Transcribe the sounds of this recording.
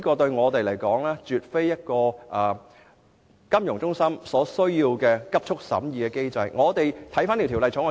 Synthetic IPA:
kɔː˧t̪ɵ˧ɥŋɔː˨˧t̪e˨jlɐ˨˩jkɔː˨˥ŋlaː˥t͡ʃyː˨t̚fe˥jjɐ˥t̚kɔː˧ʔaː˨˩ | kɐ˥mjʊ˨˩ŋt͡sʊ˥ŋsɐ˥msɔː˨˥sɵ˥ɥjiː˧wkɛː˧kɐ˥p̚t͡ʃʰʊ˥k̚sɐ̰˨˥mjiː˨˧kɛː˧ke˥jt͡sɐ˧jŋɔː˨˧t̪e˨jt̪ʰɐ˨˥jfaː˥nt̪i˨˩t̪ʰːlɐ˧jt͡sʰʊː˨˥ŋɔ˨˧

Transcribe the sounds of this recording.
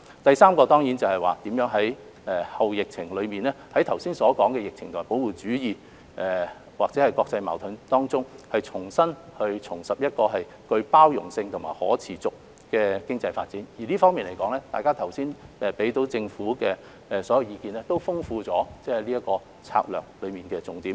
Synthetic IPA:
t̪ɐ˨jsaː˥mkɔː˧t̪ɔː˥ŋjiː˨˥nt͡sɐ˨whɐ˨jwaː˨˩t̪iː˨˥mjœː˨˥ŋɦɐ˨˥j | ɛ˨hɐ˨wjɪ˨k̚t͡sʰɪ˨˩ŋlɵ˨˧miː˨nlɛː˥hɐ˨˥jt̪ʰɐ˨˩wsiː˥nsɔː˨˥kɔː˨˥ŋkɛː˧jɪ˨k̚t͡sʰɪ˨ŋʰo˨˩po˨˥wuː˨t͡syː˨˥jiː˨ | ʔɛ˨ | waː˨k̚t͡sɛ˨˦˥ɐ˨jkwɔː˧k̚t͡sɐ˧jma̰ː˨˩wt̪ʰʊ˨˥nt̪ɔː˥ŋt͡sʊ˥ŋhɐ˨jt͡sʰʊ˨˩ŋsɐ˥nhɵ˧ɥt͡sʰʊ˨˩ŋsɐ˨p̚jɐ˥t̚kɔː˧ɦɐ˨j | kɵ˧ɥpaː˥wjʊ˨˩ŋsɪ˧ŋt̪ʰʊ˨˩maː˨˩hɔ̰ː˨˥t͡sʰiː˨˩t͡sʊ˨k̚ | kɛː˧kɪ˥ŋt͡sɐ˧jfa̰ː˧t̚t͡siː˨˥njiː˨˩liː˥fɔː˥ŋmiː˨nle˨˩kɔː˨˥ŋlɛː˥t̪aː˨jkaː˥t̪ʰɐ˨˩wsiː˥nʔɛ˨pe˨˥jt̪o˨˥wt͡sɪ˧ŋfuː˨˥kɛː˧ | ɛ˨sɔː˨˥jɐ˨˧wjiː˨˧kiː˨˧nɛː˥t̪o˥wfʊ˥ŋfuː˧t͡sɔː˨˥t͡sɛː˨˥hɐ˨˩jliː˥jɐ˥t̚kɔː˧ | t͡sʰa̰ː˧k̚lœ̰ː˨˩k̚lɵ˨˧ɥmiː˨˩nkɛː˧t͡sʊ˨˩ŋt̪iː˨˥m

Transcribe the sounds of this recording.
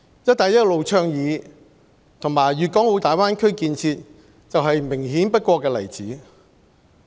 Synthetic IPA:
jɐ˥t̚t̪aː˨˥jɐ˥t̚lo˨˧wt͡ʃʰœː˧˥ŋjiː˨˧ | t̪ʰʊ˨˩ŋmaː˨˩jɥyː˨t̚kɔː˨˥ŋwo˨˧t̪aː˨jwaː˥nkʰɵ˥ɥkiː˧nt͡sʰiː˧t̚ | t͡sɐ˨wɦɐ˨jmɪ˨˩ŋɦiː˨˥npɐ˥t̚kʷɔː˧kːɛː˧lɐ̰˨˩jt͡siː˨˥

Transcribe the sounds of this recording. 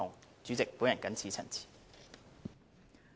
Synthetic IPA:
ʊ˨˩ŋt͡syː˨˥t͡sɪ˨k̚pu˨˥jɐ˨˩nkɐ˨˥nt͡sʰiː˨˥t͡sʰɐ̰˨˩nt͡sʰi̥ː˨˩

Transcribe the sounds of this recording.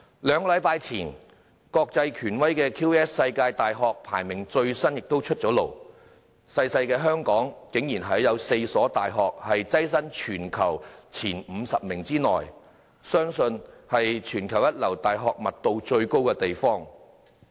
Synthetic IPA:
lœː˨˧ŋkɔ˧lɐ˨˧˥jpaː˧jt͡sʰiː˨˩n | kɔː˧k̚t͡sɐ˧jkʰyː˨˩nwɐ˥jkɛː˧kʰiː˥wɛː˥ssɐ˧jkaː˧jt̪aː˨jɦɔː˨k̚pʰa̰ː˨˩jmɪ˨˩ŋt͡ʃɵ˧ɥsɐ˥njɪ˨k̚t̪o˥wt͡ʃʰɵ˥t̚t͡ʃɔː˨˥lo˨˩w | sɐ˧jsɐ˧jkɛː˧ɦœː˥ŋkɔː˨˥ŋkɪ˨˥ŋjiː˨˩nɦɐ˨˥jɐ˨˧wse˧jsɔː˨˥t̪aː˨jɦɔː˨k̚hɐ˨jt͡sɐ˥js̬ɐ˥nt͡ʃʰyː˨˩nkʰɐ̰˨˩wt͡sʰiː˨˩nm̩ː˨˧sɐ˨p̚mɪ˨˩ŋt͡siː˥nɔ̰ː˨˩j | sœː˥ŋsɵ˧nhɐ˨jt͡ʃʰyː˨˩nkʰɐ˨˩wjɐ˥t̚lɐ˨˩wt̪aː˨jɦɔː˨k̚mɐ˨t̚t̪o˧wt͡ʃɵ˧ɥko˥wkɛː˧t̪e˨jfɔː˥ŋ

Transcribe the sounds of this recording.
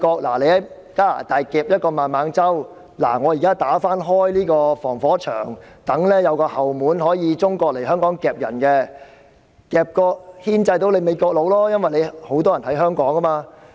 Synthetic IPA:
kɔː˧k̚la̰ː˨˩le˨˧jhɐ˨˥j | kaː˥la̰ː˨˩t̪aː˨jkɛː˧p̚jɐ˥t̚kɔː˧maː˨nmaː˨˧ŋt͡sɐ˥w | la̰ː˨˩ŋɔː˨˧ji˨kaː˥t̪aː˨˥faː˥nɦɔː˥jliː˥kɔː˧fɔː˨˩ŋfɔː˨˥t͡ʃʰœ̰ː˨˩ŋt̪ɐ˨˥ŋlɛː˥jɐ˨˧wkɔː˧hɐ˨˩wmuː˨˥nɦɔː˨˥jiː˨˧t͡sʊ˥ŋkɔː˧k̚le˨˩jhœː˥ŋkɔː˨˥ŋkɛː˨˩p̚jɐ̰˨˩nkɛ˧ | kɛː˨˧p̚kɔː˧k̚hiː˥nt͡sɐ˧jt̪o˧wle˨˧jme˨˧jkɔː˧k̚lo˨˧wlɔː˥jɐ˥nwɐ˨jle˨˧jho˨˥wt̪̬ɔː˥jɐ˨˩nhɦɐ˨˥jɦœː˥ŋkɔː˨˥ŋɡɐ˥maː˧

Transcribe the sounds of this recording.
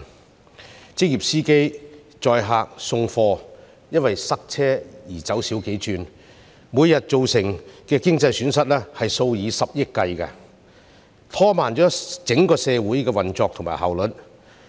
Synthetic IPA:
t͡sɪ˥k̚jiː˨p̚siː˥ke˥j | t͡ʃɔː˨˧jɦaː˨˧k̚sʊ˧ŋfɔː˧ | jɐ˥nwɐ˨jsɐ˥k̚t͡sʰɛː˥jiː˨˩t͡sɐ˨˥wsiː˨˥wke˨˥jt͡ʃyː˧n | muː˨˧jjɐ˨t̚t͡so˨wsɪ˨˩ŋkɛː˧kɪ˥ŋt͡sɐ˧jsyː˨˥nsɐ˥t̚lɛː˥hɐ˨jso˧wjiː˨˧sɐ˨p̚jɪ˥kːɐ˧jkɐ˧ | t̪ʰɔː˥maː˨˩nt͡ʃɔː˨˥t͡sɪ˨˥ŋkɔː˧sɛː˧wuː˨˥jkɛː˧wɐ˨nt͡sɔː˨k̚t̪ʰʊ˨˩ŋma̰ː˨˩ɦɐ̰˨˩wlɵ˨˥t̚

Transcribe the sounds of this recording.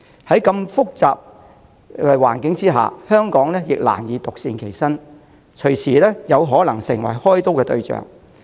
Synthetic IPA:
hɐ˨˥jkɐ˧mfʊ˥k̚t͡sa̰ː˨p̚ | ɛː˧waː˨˩nkɪ˨˥ŋt͡siː˥ɦa̰ː˨hœː˥ŋkɔː˨˥ŋlɛː˥jɪ˨k̚la̰ː˨˩njiː˨˧t̪ʊ˨k̚siː˧nkʰe˨˩jsɐ˥n | t͡ʃʰɵ˨˩ɥt͡sʰiː˨˩lɛː˥jɐ˨˧wɦɔː˨˥lɐ˨˩ŋsɪ˨˩ŋwɐ̰˨˩jhɔː˥jt̪o˥wkɛː˧t̪ɵ˧ɥt͡sœ̰ː˨˩ŋ

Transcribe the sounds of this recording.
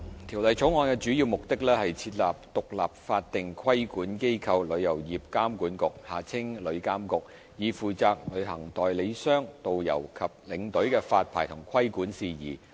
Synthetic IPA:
t̪ʰiː˨˩wlɐ˨jt͡ʃʰʊ˨˥wŋɔː˨˧nkɛː˧t͡ʃyː˨˥jiː˧wmʊ˨k̚t̪ɪ˥k̚lɛː˥hɐ˨jt͡sʰiː˧t̚laː˨p̚t̪ʊ˨k̚la̰ː˨p̚faː˧t̚t̪ɪ˨ŋkʰwɐ˥jkuː˨˥nke˥jkʰɐ˧wlɵ˨˧ɥjɐ˨˩wjiː˨p̚kaː˥mkuː˨˥nkʊ˨k̚haː˨t͡sʰɪ˥ŋlɵ˨˧ɥkaː˥mkʊ˨k̚ | jiː˨˧fuː˨˩t͡saː˨˧k̚lɵ˨˧ɥɦɐ˨˩ŋt̪ɔː˨jle˨˧jsœː˥ŋt̪o˨wjɐ̰˨˩wkʰɐ˨p̚lɪ˨˧˥ŋt̪ɵ˨˥ɥkɛː˧faː˧t̚pʰaː˨˩jt̪ʰʊ˨˩ŋkʰwɐ˥jkuː˨˥nsiː˨jḭː˨˩

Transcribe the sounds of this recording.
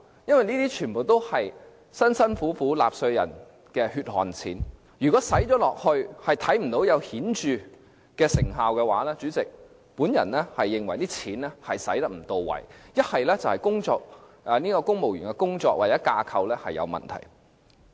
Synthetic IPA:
jɐ˥nwɐ˨jniː˥t̪iː˥t͡ʃʰyː˨˩npo˨wt̪o˥whɐ˨j | sɐ˥nsɐ˥nfuː˨˥fuː˨˥la̰ː˨p̚sɵ˧jɐ̰˨˩n | kɛː˧hyː˧t̚hɔ̰ː˨˩nt͡sʰḭː˨˥n | jyː˨kɔː˨˥sɐ˨˥jt͡ʃɔː˨˥lɔː˨k̚hɵ˧ɥhɐ˨jt̪ʰɐ˨˥jm̩˨˩t̪o˨˥wjɐ˨˧whiː˨˥nt͡ʃyː˨˧ | kɛː˧sɪ̰˨˩ŋɦaː˨˧wkɛː˧waː˨˥lɛː˥t͡ʃyː˨˥t͡sɪ˨k̚ | puː˨˥njɐ̰˨˩nlɛː˥hɐ˨jːɪ˨ŋwɐ˨˩jniː˥t͡sʰiː˨˥nlɛː˥hɐ˨jsɐ˨˥jt̪ɐ˥k̚m̩˨˩t̪o˨˧wːɐ̰˨˩jjɐ˥t̚hɐ˨jlɛː˥t͡sɐ˨whɐ˨jkʊ˥ŋt͡sɔː˧k̚ | ɛ˨niː˥kɔː˧kʊ˥ŋmo˨wjy̰ː˨˩ŋkɛ˧kʊ˥ŋt͡sɔː˧k̚waː˨˩t͡sɛː˨˥kaː˧kʰɐ˧wlɛː˥hɐ˨jɐ̰˨˧wmɐ̰˨˩nt̪ʰɐ̰˨˩j

